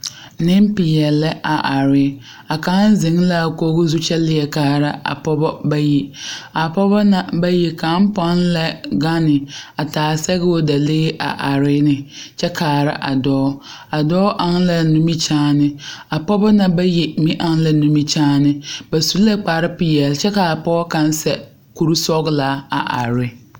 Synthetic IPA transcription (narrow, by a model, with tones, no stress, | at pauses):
nɪ˦m˦pɪ˨jɛ˨lɛ˦ʔa˨ʔa˨ɾɪ˦ | a˨ka˨˦n̩˦zɪ˨˦ŋ˦la˦˨ko˦ɣʊ˦zu˦t͡ʃɛ˦lɪ˦ɛ˨kaː˨ɾa˦a̰˨pɔ˦bɔ˦ba˦ji˨a˨pɔ˦bɔ˦na˨ba˦jɛ˨ka˨˦m̩˦pɔ˦n˦lɛ˦ɡa˦nɪ˨a˨taː˨sɛ˦ɣɛ˦o˦da˨leː˦ʔa̰˨ʔa˨ɾɪ˦nɪ˨t͡ʃɛ˦kʰaː˨ɾa̰˦ʔa˨dɔː˦ | a˨dɔː˦ʔa˨ŋ˦lɛ˨nũ˦mi˦t͡ʃãː˦nɪ˦a˨pɔ˦bɔ˦na˨ba˦jɛ˨mĩ˦ʔa˦ŋ˦lɛ˨nũ˦mi˦t͡ʃaː˦nɪ˦ba˨su˦lɛ˦k͡paː˨˦ɾɪ˦pɪ˦˨jɛ˨lt͡ʃɛ˦ka˨a˨pɔ˦ɔ˦kã˦n˦sɛ˨ | ku˦ɾu˦sɔ˦ɡlaː˨˦a̰˨ʔa̰˨ɾɪ˦